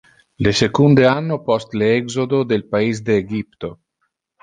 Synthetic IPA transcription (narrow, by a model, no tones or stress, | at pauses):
lesekund̪eanːopɔst̪leɛɡzod̪od̪elpaiz̬d̪eːɡip̚t̪o